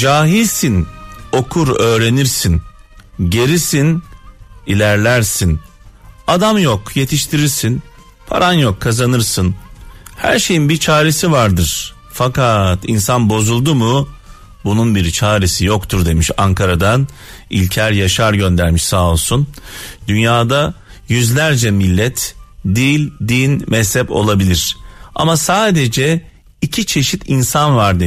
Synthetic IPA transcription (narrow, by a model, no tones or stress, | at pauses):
d͡ʒaːɦilʲsino̞kʰuɾø̞ːɾe̞niɾsinɟe̞ɾisin | ilʲæɾlʲæɾsin | ad̪amjokje̞t̪ʰiʃt̪ʰiɾiɾsin | pʰa̰ɾanjokʰːazanɯɾsɯnhæ̰ɾʃe̞jinbiɾt͡ʃʰaːɾesivaɾd̪ɯɾ̥ | fakat̪insanbo̞zulˠd̪umu | bununbiɾt͡ʃʰaːɾisijo̞kt̪ʰuɾd̪e̞miʃaŋkʰaɾad̪an | ḭlʲcʰæɾjaʃaɾɟø̞nd̪æɾmiʃsaːolˠsund̪ynjaːd̪a | jyzlʲæɾd͡ʒɛmilʲːɛt̪ʰd̪iːlʲd̪inmʔɛshɛpo̞̰lˠabilʲiɾ̥a̰masaːd̪e̞d͡ʒɛ | icʰit͡ʃʰe̞ʃit̪ʰinsanvaɾd̪e